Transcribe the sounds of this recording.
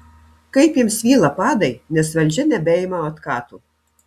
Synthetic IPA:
kɐɪpjɪmsʋʲiːlˠɐpɑːd̪ɐɪnʲɛsʋɐlʲˑd͡ʒʲɛnʲɛbʲɛːjɪmɐɐt̪kɑːt̪uː

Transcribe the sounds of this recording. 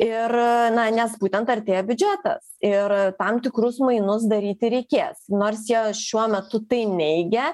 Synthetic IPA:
ɪrnɐnʲɛsbuːt̪ʲɛnt̪ɐɾʲt̪ʲeːjɛbʲʊd͡ʒʲæt̪ɐ̰sɪɾt̪ɐmt̪ʲɪkɾʊsmɐɪnʊs̬d̪ɐɾʲiːt̪ʲɪɾʲɛɪkʲeːsnoːrsjiɛʃʲuɔmʲɛt̪ʊt̪ɐɪnʲɛɪɡʲɛ

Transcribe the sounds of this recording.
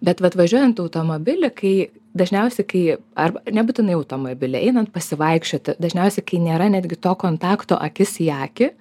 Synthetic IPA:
bʲɛt̪ʋɐt̪ʋɐʒʲuɔjɛnt̪ɐʊt̪oːmobʲɪlʲɪkɐɪ | d̪ɐʒʲnʲɛʊsʲɛɪkɐɪɐrbɐnʲɛbuːt̪ʲɪnɐɪɐʊt̪oːmobʲɪlʲɛɛɪnɐnt̪̚pɐsʲɪʋɐɪkʃʲt͡ʃʲoːt̪ʲɪd̪ɐʒʲnʲɛʊsʲɛɪkɐɪnʲeːɾɐnʲæːd̪ʲɡʲɪt̪oːkoːnt̪ɑːkt̪o̰ːʔɐkʲɪsjɑːkʲɪ

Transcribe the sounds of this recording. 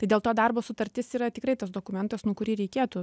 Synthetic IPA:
ɐɪdʲeːlˠt̪oːd̪ɐrboːsʊt̪ɐɾʲt̪ʲɪsiːɾɐt̪ʲɪkrɐɪt̪ɐsd̪oːkʊmʲɛnt̪ɐsnuɔkʊɾʲiːɾʲɛɪkʲeːt̪uːt

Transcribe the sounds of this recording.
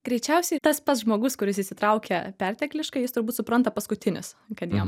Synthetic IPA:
ɡɾʲɛɪt͡ʃʲɛʊsʲɛɪt̪ɐspɐt̪sʒmoːɡʊskʊɾʲɪsisʲɪt̪ɾɐʊkʲɛpʲæɾʲt̪ʲɛklʲɪʃkɐɪjɪst̪ʊɾbuːt̪sʊpɾɐnt̪ɐpɐskʊt̪ʲɪnʲɪ̰skɐt̪jiɛm

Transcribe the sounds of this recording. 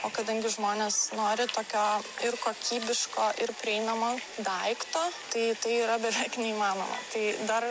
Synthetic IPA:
oːkɐd̪ɐŋʲɡʲɪʒmoːnʲeːsnoːɾʲɪt̪oːkʲoːɪrkoːkʲiːbʲɪʃkoːʔɪɾpʲɾʲɪɛɪnɐmoːd̪ɐɪkt̪oːt̪ɐɪt̪ɐɪiːɾɐbʲɛʋʲɛɪknʲɛiːmɑːno̰ːmɐ̰t̪ɐɪd̪ɐr

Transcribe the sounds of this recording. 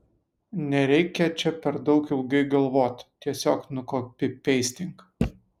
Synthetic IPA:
nʲɛɾʲɛɪkʲɛt͡ʃʲɛpʲɛɾd̪ɒʊkɪlˠɡɐɪɡɐlˠʋoːt̪ʲt̪ʲːiɛsʲoːknʊkoːpʲɪpʲɛɪsʲt̪ʲɪŋk

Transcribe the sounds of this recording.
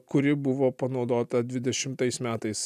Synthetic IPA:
kʊɾʲɪbʊʋoːpɐnɒʊd̪oːt̪ɐd̪ʲʋʲɪd̪ʲɛʃʲɪmt̪ɐɪsmʲæːt̪ɐɪs

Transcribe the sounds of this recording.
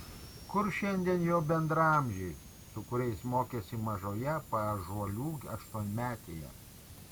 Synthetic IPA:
kʊɾʃʲɛnʲd̪ʲiɛnjɛʊbʲɛnd̪ɾɐmʲʒʲɛ | sʊkʊɾʲɛɪsmoːkʲeːsʲɪmɐʒoːjɛpɐʒuɔlʲuːɐ̰ʃt̪uɔnʲmʲæːt̪ʲeːjɛ̰

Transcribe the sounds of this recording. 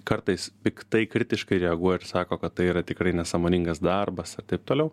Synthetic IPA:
kɐrt̪ɐɪspʲɪkt̪ɐɪkɾʲɪt̪ʲɪʃkɐɪɾʲɛɐɡuɔjɛɪɾsɑːkoːkɐt̪ːɐɪiːɾɐt̪ʲɪkɾɐɪnʲɛsɑːmoːnʲɪŋɡɐsd̪ɐrbɐsɐrt̪ɐɪp̚t̪oːlʲɛʊ

